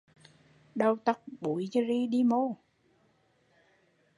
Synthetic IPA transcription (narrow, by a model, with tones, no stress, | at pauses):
ɗə˧wt̪a˦˥k͡p̚ɓu˨˩˦jzə˧zi˧ɗi˧mo˧˩